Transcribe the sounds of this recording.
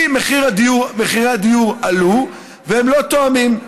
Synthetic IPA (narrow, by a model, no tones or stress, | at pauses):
meχiʁad̪iumeχiʁead̪ijuʁalu | vehemlo̞t̪oamim